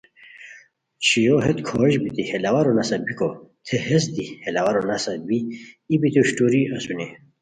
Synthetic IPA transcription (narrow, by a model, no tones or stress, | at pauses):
t͡ɕʰijoɦet̪kʰoʑbit̪ihelɐwɐɾonɐsɐbikot̪ʰehes̬d̪ihelɐwɐɾonɐsɐbiːbit̪uɕʈuɾiɐsune